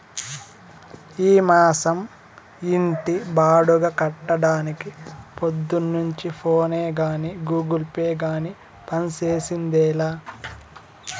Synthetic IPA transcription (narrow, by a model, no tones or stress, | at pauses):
iːmaːsɐm | iɳʈibaːɽuɡɐkɐʈːɐɽaːnikipod̪ːunːuɲt͡ʃipʰoːneːɡaːniɡuːɡulpeːɡaːni | pɐnseːsind̪ɛːlaː